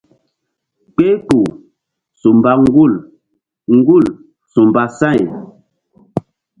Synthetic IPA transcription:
k͡pe˦pu˨ | su˨m˨ba˦ŋ˦ɡu˦˨l | ŋ̩˦ɡu˦˨l | su˨mba˨sa˦˨j

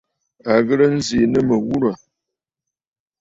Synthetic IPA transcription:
a˨ɣə˦ɾə˦n̩˦zi˨nə˦mə˨wu˦ɾa˨

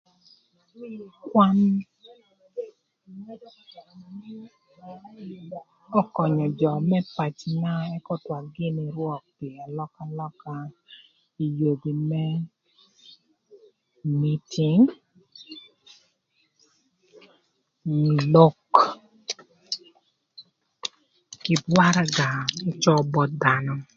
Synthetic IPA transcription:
kwa˦n | ɔ˦kɔ˨ɲɔ˨d͡ʒɔ˨mɛ˦pa˨t͡ʃna˦ɛ˦kɔ˦twa˨ɡɪ˦ni˨ɾwɔ˦˨k̚pi˨a˨lɔ˦ka˦lɔ˦ka˦ | i˨jo˨bi˨mɛ˦ | mi˦tʰi˨ŋ | lo˦k | kɪ˦bwa˦ɾa˦ɡa˨i˦t͡ʃɔ˦bɔ˦d̪a˨nɔ˨

